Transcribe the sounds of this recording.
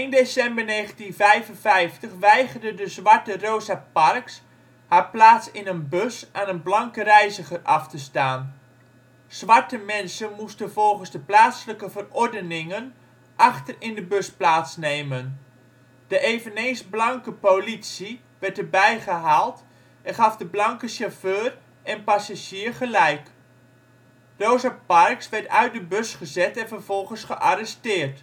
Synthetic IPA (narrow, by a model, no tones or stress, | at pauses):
ɪndesɛmbərneːχəntinvɛjvənvɛjftəχʋɛjɣərdədəzʋaɹtərowzaparks | haːɹplaːtsɪnənbøsʔaːnənblɑŋkərɛjzəχərʔɑftəstaːn | z̥ʋaɹtəmɛnsənmustənvɔlˠχənzdəplaːtsələkəvərɔɹdənɪŋən | ʔɑχtərɪndəbøsplaːtsnejmən | d̥əʔeːvənejnzblɑŋkəpolitsi | ʋɛɹtəbɛjχəɦaːlˠt | ʔɛnχɑfdəblɑŋkəʃaføːr | ʔɛnpasaʒiːɹχəlɛjk | d̥owzəpɑrksʋɛɹtœɥt̚dəbøsχəzɛtɛnvərvɔlˠχənsχəʔarɛstɪːrt